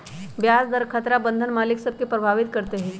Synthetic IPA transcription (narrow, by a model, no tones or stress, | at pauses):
bjad͡zd̪əɾkʰət̪ɾabənd̪ʱənmaliksəb̚kʰepɾəbʱaʋit̪kəɾt̪eɦi